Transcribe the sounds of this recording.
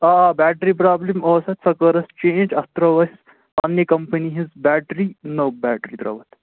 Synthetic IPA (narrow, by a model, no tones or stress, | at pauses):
aːbæːʈɾip̬ɾaːblimoːsɐt̪sɐkɐɾɐst͡ʃẽːnd͡ʒɐt̪ɾɐʋɐsʲ | ɐnjekɐmpɐniɦizbæːʈɾinoːbæːʈɾit̪ɾɐ̰ːʋɐt̪